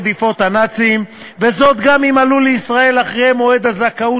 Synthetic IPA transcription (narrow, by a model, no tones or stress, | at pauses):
d̪ifo̞t̪hanat͡siim | vezo̞t̪ɡamimaluleisʁae̞laχʁemoe̞d̪azakau